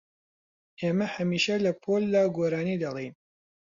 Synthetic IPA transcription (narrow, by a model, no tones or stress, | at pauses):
ʔeːmɐhɐmiːʃɐlɐpʰoːlːaːɡoːɾaːnid̪ɐlˠejn